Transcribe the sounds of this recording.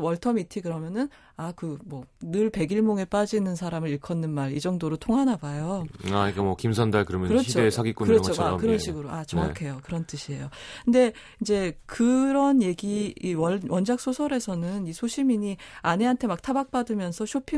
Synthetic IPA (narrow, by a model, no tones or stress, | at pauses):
wʌɭtʰʌmitʰikɯɾʌmjʌnɯn | akɯmwʌnɯɭpe̞ɡiɭmoŋe̞p͈ad͡ʑinɯnsʰaɾamɯɾiɭkʰʌnːɯnmaɾid͡ʑʌŋdoɾotʰoŋɦanabajoaɲik͈amwʌkimsʰʌndaɭkɯɾʌmjʌnkɯɾʌit͡ɕʰoesʰaɡik͈unɾʌt͡ɕʰoakɯɾʌnɕʰiɡɯɾoat͡ɕʌŋakʰe̞jokɯɾʌnt͈ɯɕʰie̞jokʰɯnde̞ | ind͡ʑe̞kɯɾʌnje̞ɡiiwʌwʌnd͡ʑak̚s͈ʰosʰʌɾe̞sʰʌnɯnisʰoɕʰimiɲiane̞ɦantʰe̞mak̚tʰabak̚p͈adɯmjʌnsʰʌɕʰopʰi